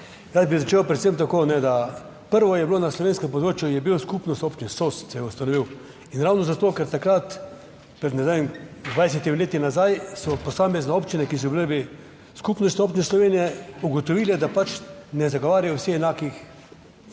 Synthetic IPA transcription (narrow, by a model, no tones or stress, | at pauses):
ɾaz̚bizat͡ʃeːwpɾɛt̪semt̪akoːnɛd̪a | pəɾʋɔjɛblonaslɔʋeːnskɛmpɔd̪ɾoːt͡ʃjujɛbiwskupnɔst̪oːpt͡ʃinsossɛjɛust̪anɔʋiw | inɾawnɔzat̪oːkɛɾt̪akɾat̪ | pɾɛd̪nɛzaimd̪ʋajs̬ʲɛt̪imleːt̪inazajsɔpɔsaːmɛznɛoːpt͡ʃinɛkis̬ɔbilebi | skuːpnɔst̪nʲioːpt͡ʃineslɔʋeːnijɛuɡɔt̪ɔʋiːlɛd̪apat͡ʃnɛzaɡɔʋaːɾjajɔwsixɛnaːkix